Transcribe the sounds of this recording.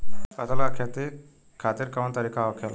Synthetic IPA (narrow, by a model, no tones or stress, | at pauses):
pɐd̪əlakʰjat̪i | kʰat̪iːɾkɐmɐnt̪ɐɾikaʋɐkʰal